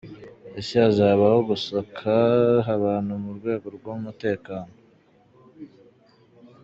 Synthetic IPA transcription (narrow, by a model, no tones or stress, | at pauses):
esiazaːβaho̞ɡusakʰaɦaβaːn̥humuɾɡwe̞ːɡo̞ɾɡwomute̞ːkaːno